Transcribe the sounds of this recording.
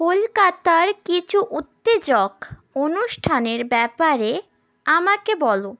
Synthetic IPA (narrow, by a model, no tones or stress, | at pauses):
kolkat̪aɾkit͡ɕʰuʔut̪ːed͡ʑokonuʃʈʰaneɾbɛpaɾe | amakebɔlo